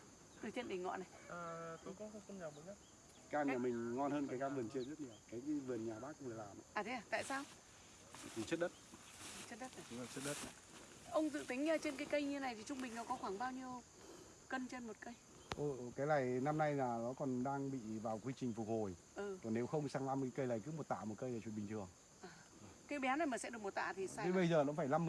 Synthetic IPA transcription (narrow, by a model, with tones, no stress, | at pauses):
t̪ɨ˨˩t͡ɕe˧nɗi˨˩ŋŋɔ̰˧˨na˨˩jʔəː˨˩t̪o˧˦kʊ̰˨˦˧ŋ͡mxə˧wŋ͡mɲaː˨˩ɓə˨˦ɲə˦˥t̚ | kaː˧nɲaː˨˧˩mï˨˩ŋ̟ŋɔ˧nhəː˧nkaː˨˦jkaː˧vɨ˨˩ənt͡ɕi˧əzə˦˥t̚ɲi˨˩əwkaː˨˦jvɨ˨˩ənɲaː˨˩ɓaː˦˥k̚ːʊ̰˧˥əː˨˩laː˨˩ma˨˦ʔaː˨˩t̪ʰa˨˩t̪a̰ː˧˨jsaː˧w | t̪i˧˨˩t͡ɕə˦˥t̚ɗə˦˥t̚ | t͡ɕə˦˥t̚ɗə˦˥t̚ə˨˩ʊ˨˦a˨˩t͡ɕə˦˥t̚ɗə˦˥t̚ | ʔə˧wŋ͡mzɨ̰˧˨t̪i˨˦ŋ̟ɲː˧˨˩t͡ɕe˧nkaː˨˦jkə˧jɲ˧˦na˨˩jt̪ʰi˨˩t͡ɕʊ˧ŋ͡mɓï˨˩ŋ̟nɔ˨˦kɔ˨˦xwaː˧˩ŋɓaː˧wɲi˧əw | kə˧nt͡ɕe˧nmo˨˩t̚kə˧j | ʔɨː˨˩kaː˨˦jlaː˨˧˩jna˧mna˧jlaː˨˩nɔ˨˦kɔ˨˩nɗaː˧ŋɓḭ˧˨vaː˨˩wkwi˧t͡ɕï˨˩ŋ̟fʊ˨˩k͡p̚ho˨˩j | ʔɨ˨˩kɔ˨˩ne˨˦wxə˧wŋ͡msaː˧ŋla˧m˨˦kə˧jlaː˨˩jkɨ̰˨˧˦mo˨˩t̚t̪a̰ː˧˨mo˨˩kə˧jaː˨t͡ɕwɓï˨˩ŋt̪ʰɨ˨˩əŋ | ʔaː˨˩˨ | kaː˨˦jɓɛ˨˦wna˨˩jmaː˨˩sɛ̰˧˥ɗɨ˨˩əkmo˨˩t̚t̪a̰ː˧˨t̪ʰi˨˩sːɲɨ˧ɓə˧jzəː˨˩nɔ̰˧˥faː˧˩jla˧m